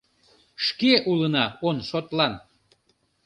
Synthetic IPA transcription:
ʃkeʔulənɑonʃot̪lɑn

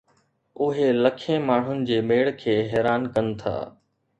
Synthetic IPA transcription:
ʊɦeləkʰẽːmaːɳ̤ʊnɪ̆d͡ʑeːmeːɽkʰeːɦɛːɾaːnkənt̪ʰa̰ː

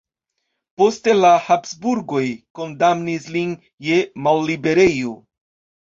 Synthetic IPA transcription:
po̞stelahapsbuɾɡo̞jko̞ndamnislin | je̞malːibe̞ɾe̞jo

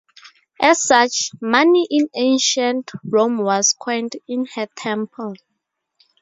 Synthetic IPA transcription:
ʔɛsːat͡ʃmaniʔĩnẽnʃãntɹõmwɔskʰɛntĩnhɛtʰɛ̃mpʰɔl

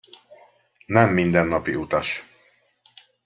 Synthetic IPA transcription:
nɛmːind̪ɛnːɒpiut̪ɒʃ

